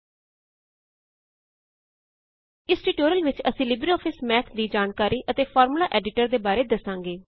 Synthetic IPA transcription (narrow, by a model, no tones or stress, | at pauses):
ɪsʈiːʈoːɾəlʋɪt͡ʃəsĩːlɪbɾiɔːpʰɪsmɛːt̪ʰd̪iːd͡ʒaːnkaːɾiːʔət̪eːpʰɔːɾmlaːʔɛːɖɪʈəɾd̪eːbaːɾeːd̪əsãːŋɡeː